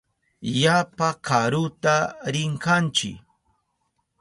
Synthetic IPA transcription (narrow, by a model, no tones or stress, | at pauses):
japakʰaɾʊt̪aɾɪŋkant͡ʃɪ̰k